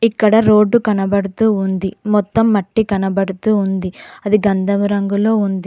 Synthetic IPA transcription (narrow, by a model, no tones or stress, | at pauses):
ikːɐɽɐɾo̞ːɖːukɐnɐbɐɽut̪uːund̪imɔt̪ːɐmːɐʈːikɐnɐbɐɽut̪uːund̪iɐd̪iɡɐnd̪ʱɐmuɾɐŋɡulo̞ːund̪i